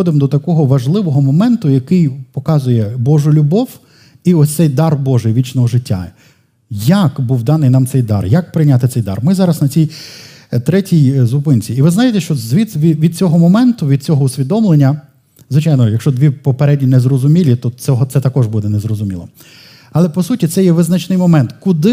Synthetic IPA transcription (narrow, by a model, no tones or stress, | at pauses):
ɔd̪ɪmd̪ɔt̪ɐkɔɦɔʋɐʒlˠɪʋɔɦɔmɔmɛnt̪ʊjɐkɪjpɔkɑzʊjɛbɔʒʊlʲʊbɔw | iɔsʲt̪sɛjd̪ɑrbɔʒɪjʋʲit͡ʃnɔɦɔʒɪtʲːa̰ | jɐkbuwd̪ɑnɪjnɑmt̪ɛjd̪ɑ̰rjɐk̚pɾɪjnʲat̪ɪsɛjd̪ɑ̰rmɪzɑɾɐsnɐt͡sʲij | t̪ɾɛtʲijzʊpɪnt͡sʲiːʋɪznɑjɪt̪ɛʃt͡ʃɔzʋʲiʋʲiʋʲid̪̚t͡sʲɔɦɔmɔmɛnt̪ʊʋʲid̪̚t͡sʲɔɦɔʊsʲʋʲid̪ɔmlˠenʲːɐ | zʋɪt͡ʃɑjnɔjɐkʃt͡ʃɔd̪ʋʲipɔpeɾɛdʲnʲinɛzrɔzʊmʲilʲit̪ɔɔɦɔt̪sɛt̪ɐkɔʒbud̪ɛnezɾɔzʊmʲilˠɔ̰ | ɐlˠɛpɔsutʲit̪sɛjɛʋɪznɐt͡ʃnɪjmɔmɛnt̪kʊd̪ɪ